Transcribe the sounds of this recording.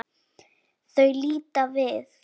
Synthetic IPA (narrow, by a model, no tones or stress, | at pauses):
θøɥliːt̪avɪð